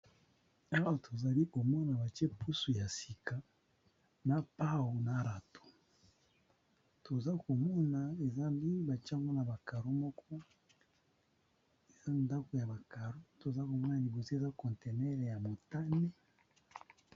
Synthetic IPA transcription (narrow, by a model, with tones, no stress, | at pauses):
a˦wa˨tʰo˨za˨li˦ko˨mɔ˦na˨ba˨t͡ʃe˦pʰu˦su˨ja˨si˨ka˨ | na˨pa˦wo˨na˨ɾa˨to̥˨ | to˨za˦ko˨mɔ˦na˨e˨za˦bi˦ba˨t͡ʃa˦ŋɡo˦na˨ba˨ka˨ɾo˦mɔ˦kʰɔ˦ | e˨za˦nda˦ko˨ja˨ba˨ka˨ɾo˦to˨za˦ko˨mɔ˦na˨li˨bo˨si˦e˨za˦kɔ̃˨nte˨nɛ˦le˨ja˨mo˨ta˦ne˦